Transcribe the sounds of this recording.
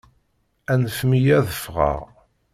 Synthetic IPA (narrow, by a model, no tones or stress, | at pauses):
ænəfmijæðəfʁɑ̰ʁ